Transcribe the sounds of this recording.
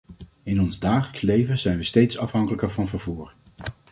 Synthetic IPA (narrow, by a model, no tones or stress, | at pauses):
ɪnɔnzdaːχələkslejvəzɛjnʋəstejtsɑfɦɑŋkələkəɹvɑnvəɹvuːɹ